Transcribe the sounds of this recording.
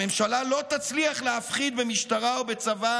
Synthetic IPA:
emʃalalo̞t̪at͡sliaχleafχid̪̚bemiʃt̪aʁaobet͡sava

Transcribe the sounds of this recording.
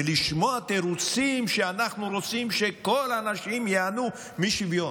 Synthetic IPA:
eliʃmoat̪eɾut͡simʃeanaχnuɾo̞t͡simʃe̞kolanaʃimjeanu | miʃivjo

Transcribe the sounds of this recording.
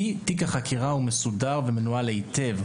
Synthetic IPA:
itikaχakʰiʁaume̞sudaʁve̞menualeite̞v

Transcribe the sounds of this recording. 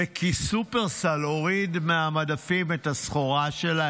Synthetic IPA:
ekʰisupe̞ʁsalo̞ʁid̪meamadafimethasχoʁaʃela

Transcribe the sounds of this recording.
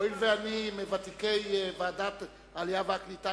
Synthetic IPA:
ilveanimevat̪ikejbaːd̪at | alijavaklit̪a

